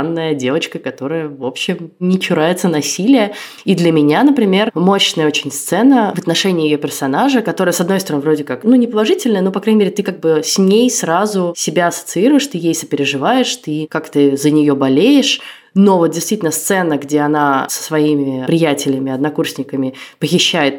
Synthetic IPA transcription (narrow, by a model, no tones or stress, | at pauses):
nːəjədʲe̞vət͡ɕkəkɐt̪o̞ɾəjəvo̞pɕːɪmnʲɪt͡ɕʊɾajɪt̪sənɐsʲilʲɪjə | id̪lʲəmʲɪnʲanəpɾʲɪmʲe̞rmo̞ɕnəjəot͡ɕɪnʲst̪sɛnəvət̪nɐʂɛnʲɪːjɪjopʲɪrsɐnaʐəkɐt̪o̞ɾəjəsɐd̪nost̪əɾɐnɨvɾo̞dʲɪkaknunʲɪpəlˠɐʐɨtʲɪlʲnəjəno̞pɐkɾanʲɪmʲeɾɪt̪ɨkaɡ̚bɨsʲnʲejsɾazʊsʲɪbʲaɐsə̥t̪sɨiɾʊjɪʂt̪ɨjejsəpʲɪɾʲɪʐɨvajɪʂt̪ɨkakt̪ɨzənʲɪjo̞bɐlʲejɪʂ | no̞vot̪dʲɪst̪vʲitʲɪlnəst̪sɛnəɡdʲeɐnasə̥svɐimʲɪpɾʲɪjætʲɪlʲɪmʲɪɐd̪nɐkursʲnʲɪkəmʲɪpəxʲɪɕːæjɪt̪̚